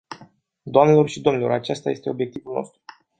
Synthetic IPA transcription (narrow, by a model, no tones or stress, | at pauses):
d̪oamnelo̞rʃid̪o̞mnilo̞ɾat͡ʃest̪aje̞st̪e̞o̞bje̞k̚t̪ivulnost̪ɾu